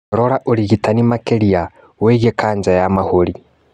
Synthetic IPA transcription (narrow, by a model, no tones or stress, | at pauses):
ɾoɾaʔoliɣitʰanimakelia | weɣekaːɲd͡ʒajamahoɾi